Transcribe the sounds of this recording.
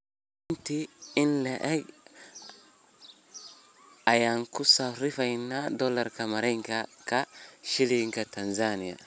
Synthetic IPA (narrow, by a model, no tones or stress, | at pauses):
ɪnt̪iɪnlɛʔɛɡ | ajaŋkʊsaɾɪfajnːad̪ɔlɐɾkɐmɐɾɛŋkakaʃɪliŋkɐt̪ɐnzanɪja̰